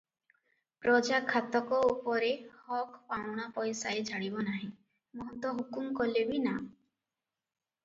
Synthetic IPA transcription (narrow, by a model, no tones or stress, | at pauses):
pɾɔd͡ʒakʰːat̪ɔkɔupɔɾehɔkpawɔɽ̃apɔjsaet͡ʃʰaɽibɔnaɦĩ | mɔɦɔt̪ɔɦukumkɔlebina